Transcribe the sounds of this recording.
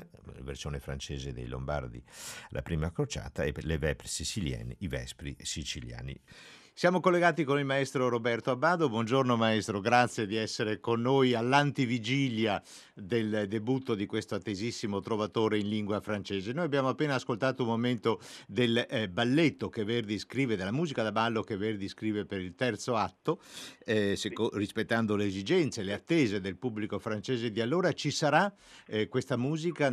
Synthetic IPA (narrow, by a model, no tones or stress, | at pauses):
vḛrsjoːnefɾa̰nt͡ʃeːzed̪ḛjlo̰mba̰rd̪ḭlʔa̰pɾiːmakɾot͡ʃa̰ːt̪aɛlevɛpɾesisilja̰ːniːvɛ̰spɾisit͡ʃilja̰ːnḭ | sjaːmokolːeɡaːt̪ikonilmaest̪ɾoɾobɛrt̪oabːaːd̪obwɔnd͡ʒornomaɛst̪ɾoɡɾat̪sːjed̪iɛsːeɾekonːojalːant̪ivid͡ʒilja | d̪eld̪ebut̪ːod̪ikwest̪oat̪ːezisːimot̪ɾovat̪oːɾeinliŋɡwafɾant͡ʃeːzenoːjabjaːmoapːeːnaːskolt̪aːt̪oumːoment̪od̪elbalːet̪ːokeverd̪iskɾiːved̪alːamuːzikad̪abalːokeverd̪iskɾiːvepeɾilt̪ɛrt̪soat̪ːo | sekorispet̪ːand̪oleːzid͡ʒɛnt̪seleat̪ːeːzed̪elpubːlikofɾant͡ʃeːzed̪ialːoːɾat͡ʃisaɾa | kwest̪amuːzika